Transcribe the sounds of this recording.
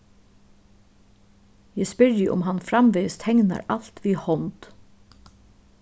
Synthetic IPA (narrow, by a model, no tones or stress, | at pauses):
jæspɪɹjəʔʊ̰mɦanfɾamʋeːst̪hɛŋna̰ɾal̥t̪ʋiːhɔnt̪